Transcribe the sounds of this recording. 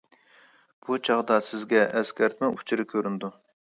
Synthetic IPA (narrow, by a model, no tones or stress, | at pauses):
b̥ut͡ʃʰɑʁd̪ɑsɪzɡʲɛʔːskʲʰɛɾt̪mɛut͡ʃʰɪɾɪkʲʰøɾynd̪u